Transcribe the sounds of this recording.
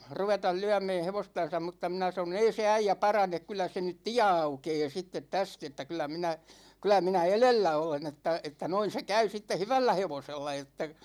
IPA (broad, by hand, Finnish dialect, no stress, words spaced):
ruʋetɑl lyæmɛː heʋostɑn̞sɑm mutːɑ minæ sɑnon ei se æijæ pɑrɑnek kylˑæ se nyt tiæ ɑukeː sitːet tæst etːæ kylˑæ minæ kylæ minæ elelːæ olen etːæ etːæ noin̞ se kæy sitːe hyʋælːæ heʋoselːɑ etːæ